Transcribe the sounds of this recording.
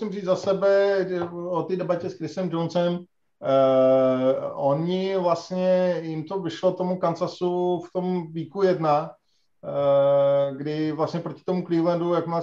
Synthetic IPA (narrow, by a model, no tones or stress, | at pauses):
sɪmriːd͡zzasɛbɛ | ot̪iːdɛbacɛskɾɪsɛmd͡ʒonsɛm | ʔoɲɪvlast̪ɲɛjɪmt̪o̞vɪʃlo̞t̪o̞mukant͡sasuft̪o̞mviːkujɛdna | ɡdɪvlast̪ɲɛpɾo̞cɪ̥t̪o̞mukliːlɛndujakma